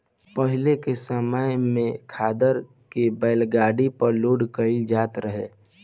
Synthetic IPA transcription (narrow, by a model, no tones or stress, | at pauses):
pəɦɪlekesəmaːjmẽkʰaːd̪əɾ | kebəɪlɡaːɽipəɾluːɽkəɪd͡ʒaːt̪ɾəɦeː